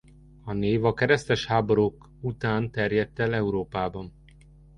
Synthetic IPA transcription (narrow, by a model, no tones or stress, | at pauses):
ɒneːvɒkɛɾɛst̪ɛʃhaːboɾoːk | ut̪aːnt̪ɛrjɛt̪ːɛlɛuɾoːpaːbɒn